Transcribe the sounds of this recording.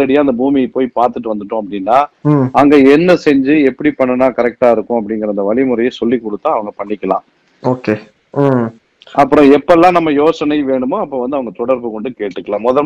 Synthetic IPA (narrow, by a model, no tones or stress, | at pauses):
ɐɽɪjaːɪnd̪ɐbuːmipoːjipaːɾt̪ɯʈ̬ːɯʋɐnd̪ɯʈːʊ̃ɐpːɐɽɪnːaːɐŋɡeɛnːɐsɛɲd͡ʒɯɛpːɐɽipɐɳːɐnaːkɐɾɛk̚ʈaːɪɾɯkːʊ̃ɐpːɐɽɪŋɡɪɾɐnd̪ɐʋɐɭɪmɯɾɐjɐsɔlːikːɔɽɯt̪ːãːɐʋɐŋɡɐpɐɳːɪkːɐlã̰ː | oːkeː | ɐpːɯɾɔ̃ɛpːɐlːãːnɐmːɐjoːsɐnɐɪʋeːɳɯmoɐpːoːʋɐnd̪ɯɐʋɐŋɡɐt̪ɔɽɐɾbɯkɔɳɖɯkeːʈːɯkːɐlãːmɔðɐ